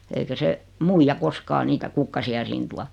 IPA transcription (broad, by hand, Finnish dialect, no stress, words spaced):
eikæ se muijɑ koskɑː niːtæ kukːɑsiɑ siːn tuɑ